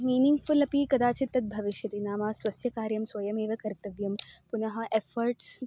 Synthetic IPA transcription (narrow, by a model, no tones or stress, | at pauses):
miːniŋɡfulɐpikɐd̪aːt͡ʃit̪ːɐt̪̚bʱɐʋiʃjɐt̪inaːmaːsʋɐsjɐkaːɾjɐmsʋɐjɐmeːʋɐkɐɾt̪ɐʋjɐmpunɐɦɐ̆ʔefɐɾʈs